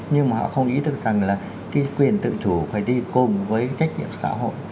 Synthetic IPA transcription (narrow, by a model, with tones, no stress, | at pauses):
ɲɨ˧ŋmaː˨˩ɦɔ̰˧˨xə˧wŋ͡mʔi˨˦t̪ɨ˨˩ək̚z̥a˨˩ŋlaː˨˩ | kaː˨˦jkwi˨˩ənt̪ɨ̰˧˨t͡ɕ̪ʰu˧˩faː˧˩jɗi˧kʊ˨˩ŋ͡mvəː˨˦jt͡ɕa˦˥jk̟̚ɲḭ˧˨əmsa̰ː˧˥ɦo̰˧˨jʔ